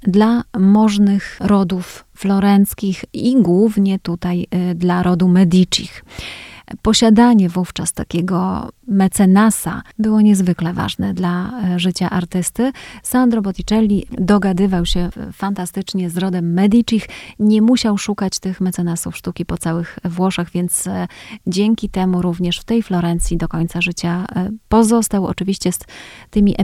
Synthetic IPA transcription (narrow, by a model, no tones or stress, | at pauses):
d̪lamɔʐnɘxɾɔd̪ufː | lɔɾɛnt̪skʲixiɡwuvɲɛt̪ut̪ajd̪laɾɔd̪umɛd̪ʲit͡ʂḭx | pɔɕad̪aɲɛvuft͡ʂast̪a̰kʲɛɡɔ̰mɛt̪sɛnasa̰bɘwɔɲɛzvɘklɛva̰ʐnɛd̪laʐɘt͡ɕaʔaɾt̪ɘst̪ɘsand̪ɾɔbɔt̪ʲit͡ʂɛlʲːid̪ɔɡad̪ɘvawɕɛfant̪ast̪ɘt͡ʂɲɛzɾɔd̪ɛmːɛd̪ʲit͡ʂixɲɛmuɕawʂukat͡ɕt̪ɘxmɛt̪sɛnasufʂt̪ukʲipɔt̪sawɘxvwɔʂaɣvʲjɛnt̪sd͡ʑɛŋkʲit̪ɛmuɾuvɲɛʂft̪ɛjflɔɾɛnt̪sʲid̪ɔkɔɲt̪saʐɘt͡ɕapɔzɔst̪awɔ̰t͡ʂɘvʲiɕt͡ɕɛst̪ɘmʲiʔ